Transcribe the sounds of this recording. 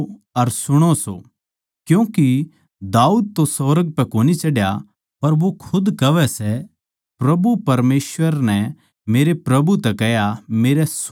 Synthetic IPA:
ɐɾsʊɽ̃oso̰ | kjõːki | d̪aːuːd̪̚t̪osɐʋɾəɡ̚pɛkoːnit͡ʃɐɽja | pɐɾʋokʰʊd̪kɐʋɛsɛ | pɾɐbupɐɾmeːsʋəɾnɛ | meːɾepɾɐbut̪ɛkɛjameːɾɛs

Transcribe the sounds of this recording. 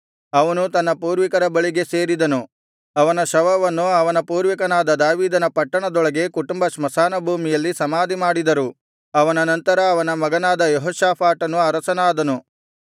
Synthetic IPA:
ɐʋɐnut̪ɐnːɐpuːɾʋikɐɾɐbɐɭiɡe̞se̞ːɾid̪ɐnu | ɐʋɐnɐʃɐʋɐʋɐnːuɐʋɐnɐpuːɾʋikɐnaːd̪ɐd̪aːʋiːd̪ɐnɐpɐʈːɐɳɐd̪ɔɭɐɡe̞kuʈumbɐʂmɐsaːnɐbʱuːmijɐlːisɐmaːd̪ʱimaːɽid̪ɐɾu | ɐʋɐnɐnɐnt̪ɐɾɐːʋɐnɐmɐɡɐnaːd̪ɐjɔɦɔːʃaːpʰaːʈɐnuɐɾɐsɐnaːd̪ɐnu

